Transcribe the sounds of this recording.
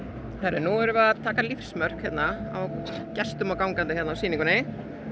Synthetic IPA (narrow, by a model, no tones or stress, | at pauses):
θaɾɛ̰nɔːɛɾʏvaat̪ʰaːkalifsmœr̥khɛt̪naawcɛst̪ʏmawkawŋkant̪ɪçɛt̪nawsiːnĩŋkʏnɪ